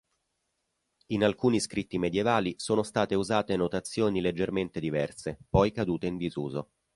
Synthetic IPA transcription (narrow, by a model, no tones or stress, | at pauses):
inalkuːniskɾit̪ːimed̪jevaːlisoːnost̪aːt̪euzaːt̪enot̪at̪sːjoːniled͡ʒːerment̪ed̪ivɛrsepɔjkad̪uːt̪eind̪izuːzo